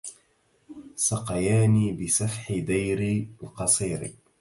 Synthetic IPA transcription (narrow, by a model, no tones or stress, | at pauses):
sɑqɑjaːniːbɪsafħɪd̪ajɾilqɑsˤiːɾḭ